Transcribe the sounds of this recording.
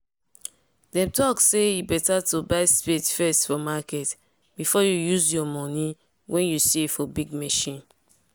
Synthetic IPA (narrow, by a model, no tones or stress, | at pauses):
dɛ̃mtɔkseibɛtatubaɪspetfɛstfɔmakɛt | bifɔjujuzjɔmɔ̃ni | wʔɛ̃njusifɔbiɡmɛʃĩn